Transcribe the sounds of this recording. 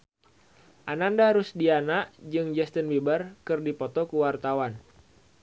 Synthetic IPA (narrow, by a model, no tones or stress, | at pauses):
ʔanandaɾʊsdianaʔd͡ʒɨŋd͡ʒɛst̪ənbibərkɨrdipɔt̪ɔkuwart̪awan